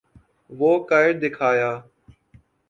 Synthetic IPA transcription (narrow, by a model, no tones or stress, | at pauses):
ʋoːkaːɪɽd̪ɪkʰaːjaː